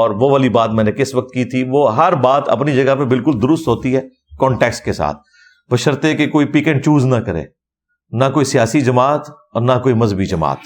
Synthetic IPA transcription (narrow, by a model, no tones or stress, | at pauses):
ɔːɾʋoʋaːlibaːt̪̚mɛ̃ːnẽkɪsʋɐk̚t̪kiːt̪ʰiʋoːɦɐɾbaːt̪ɐ̰pnid͡ʒɐɡapebɪlkʊld̪ʊɾʊst̪ɦoːt̪iɦɛː | kɔ̃ːɳʈɛːksʈkesa̰ːt̪ʰ | bɐʃəɾt̪ekekoːipiːkɛ̃ɳʈt͡ʃuːznɐkɐɾḛ̃ː | nɐkoːisijaːsid͡ʒɐmaːt̪ | ɔ̰ːɾnɐkoːimɐzəbid͡ʒɐma̰ːt̪